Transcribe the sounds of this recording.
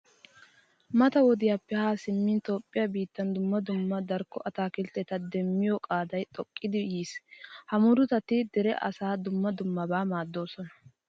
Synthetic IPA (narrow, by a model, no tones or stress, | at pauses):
mɐt̪ɐwɔd̪ɪjaːpːɛhaːsɪmːint̪o̞ːpʼːɪjabiːt̪ːɐnd̪ʊmːɐd̪ʊmːɐd̪ɐɾkːɔʔɐt̪aːkɪlt̪ɛt̪ɐd̪ɛmːɪjɔkʼaːd̪ɐjt̪ʼɔkʼːɪd̪ɪjiːshɐmʊɾʊt̪ɐt̪ɪd̪ɛɾɛ̰ʔɐ̰saːd̪ʊmːɐd̪ʊmːɐbaːmaːd̪ːo̞ːsɔnɐ̥